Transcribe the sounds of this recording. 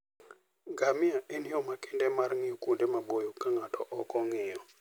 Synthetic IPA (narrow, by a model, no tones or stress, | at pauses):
ɡamɪaʔɛnɪɔmakɪndɛmarŋɪɔkundemabojɔkaŋatʰɔʔɔkɔŋɪjɔ